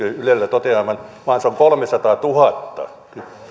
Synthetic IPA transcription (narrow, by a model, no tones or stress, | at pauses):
øylelːæt̪ot̪eɑˑmɑnʋɑːnseoŋkolmesɑt̪ɑːt̪uhɑt̪ːɑ̰ | ty